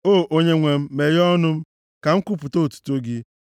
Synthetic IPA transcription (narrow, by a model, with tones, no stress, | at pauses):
o˦˨ʔo˦ɲe˦ŋʷe˨m̩˦me˨ɾɔ˦nʊ˦m̩˦ | ka˨ŋ̩˦ku˦pʊ˨to˦˨tu̥˨to˦ɡɪ˦